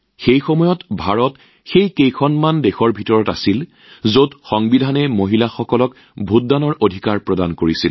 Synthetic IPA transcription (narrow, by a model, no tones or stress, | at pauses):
xejxɔmɔjɔtbʱaɹɔt | xejkejkʰɔnmandexɔɹbʱitɔɹɔta̰sil | zotxɔŋbidʱanɛmoɦilaxɔkɔlɔk | bʱut̚danɔɹʔodʱikaɹpɹɔdankoɹisil